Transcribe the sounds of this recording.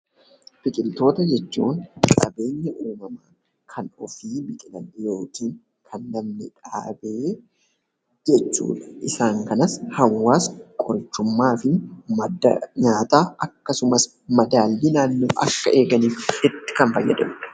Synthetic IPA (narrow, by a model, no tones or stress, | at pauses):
bɪkʼɪlt̪o̞ːt̪ɐd͡ʒɛt͡ʃːṵːŋkʼɐ̰be̞ːɲːɐʔuːmɐmaː | kʰɐnɔfiːbɪkʼɪlɐnjoːkiːŋ | kʰɐnːɐmnɛᶑʼa̰ːbeː | d͡ʒɛt͡ʃːṵːᶑɐ̥ʔɪsaːŋkɐnɐshɐwːaːskʼɔɾt͡ʃːʊmːaːfɪmɐdɲaːt̪aːɐkːɐsʊmɐs | mɐd̪aːlːinaːnːoːʔɐ̰kːɐʔe̞ːɡɐniːfɪt̪ːɪ̥kɐnfɐjːɐd̪ɐmᶑɐ̥